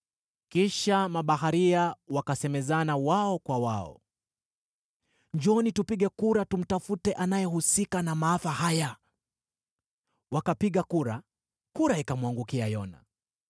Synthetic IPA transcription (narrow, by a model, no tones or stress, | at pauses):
kiʃamaɓaɦaɾiawakasɛmɛzanawaɔkwawaɔ̰ | ɲd͡ʒɔnitupiɠɛkuɾatum̩tafutɛʔanajɛhusikanamaːfahaja | wakapiɠakuɾa | kuɾaikamwaŋɡukiajɔna̰